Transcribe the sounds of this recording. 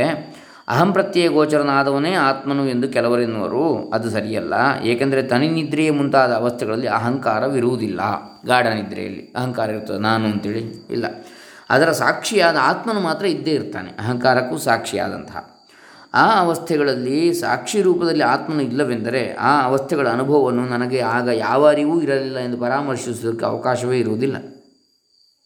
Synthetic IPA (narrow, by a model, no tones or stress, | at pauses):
e | ɐ̰ɦɐmpɾɐt̪jeːɡoːt͡ʃɐɾɐnaːd̪ɐʋɐneːaːt̪mɐnue̞nd̪ukɛlɐʋɐɾenːɐʋɐ̰ɾuɐd̪usɐɾijɐlːɐ̰eːkɐnd̪ɐɾet̪ɐninid̪ɾɛjɐmunt̪aːd̪ɐːʋɐst̪ʰɛɡɐɭɐlːiɐɦɐŋkaːɾɐʋiɾuʋud̪ilːɐ̰ɡaːɽʱɐnid̪ɾɛ̰jɐ̰lːḭɐɦɐŋkaːɾɐiɾut̪ːaːd̪enaːnuɐnt̪eːɭiḭlːɐ̰ | ɐ̰d̪ɐɾɐsaːkʂijaːd̪ɐaːt̪mɐnumaːt̪ɾɐid̪ːeiɾt̪a̰ːneɐɦɐŋkaːɾɐkːusaːkʂija̰ːd̪ɐ̰nt̪ɐɦɐ̰ | aːɐʋɐst̪ʰɛɡɐɭɐlːisa̰ːkʂiɾuːpɐd̪ɐlːiaːt̪mɐnuilːɐʋend̪ɐɾe̞aːɐʋɐst̪ʰɛɡɐɭɐːnubʱɐʋɐʋɐnːunɐnɐɡeaːɡɐjaːʋaːɾiʋuːiɾɐlilːɐend̪upɐɾaːmɐɾʂisud̪ɐkːeɐ̰ʋɐkaːʃɐʋeːiɾuʋud̪ilːɐ̰